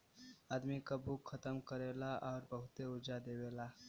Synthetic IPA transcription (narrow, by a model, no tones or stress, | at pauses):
ad̪mikəbukʰːət̪əmkəɾelaʔʊɾbəɦut̪eʊɾd͡ʒad̪eʋela